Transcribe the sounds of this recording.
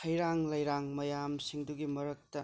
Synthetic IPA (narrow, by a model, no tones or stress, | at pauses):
ɐjɾaŋlɐjɾaŋmɐjamsiŋduɡimɐɾɐk̚tɐ